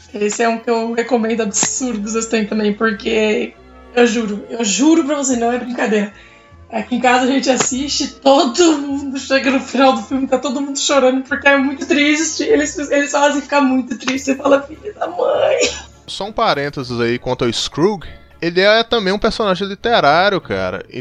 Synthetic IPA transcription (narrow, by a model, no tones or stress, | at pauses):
esɪɛũkɪewhekomẽnd̪ʊabisuɾd̪ʊzest̪ẽj̃t̪ɐ̃mbẽj̃poɾke | ewʒuɾʊewʒuɾʊpɾɐvos̬eɾnɐ̃w̃ɛbɾĩŋkad̪eɾɐ | ɛkɪẽkazɐʒẽnt͡ʃɪasiʃt͡ʃɪt̪od̪ʊmũd̪ʊʃeɡɐnʊfinawd̪ʊfiwmɪt̪at̪od̪ʊmũnd̪ʊʃoɾɐ̃nd̪ʊpoɾkeɛmũj̃t̪ʊt̪ɾist͡ʃɪelɪselɪsfazẽj̃fi̥kaɾmũj̃t̪ʊt̪ɾiʃt͡ʃɪzɪfalɐfiʎɐd̪ɐmɐ̃j̃ | sɔũpaɾẽnt̪ezɪzaikwɐ̃nt̪ʊʊɪskɾuɡ | elɪɛɛt̪ɐ̃bẽj̃ũpeɾsõnaʒẽj̃lit̪eɾaɾjʊka̰ɾɐ̰ɪ̰